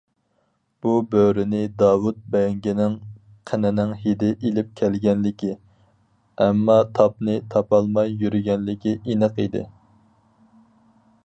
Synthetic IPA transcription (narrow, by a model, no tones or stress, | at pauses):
b̥ubøwɾɪnɪd̪ɑːwut̪̚bɛŋɡʲinɪŋ | qʰənɪnɪŋhid̪ɪʔelɪp̚kʲʰɛlɡʲɛnlɪkʲʰi | ɛmːɑt̪ʰɑp̚nɨt̪ʰɑpɑlˠmɑjːyɾɪɡʲɛnlɪkʲiʔinəqid̪ɪ̰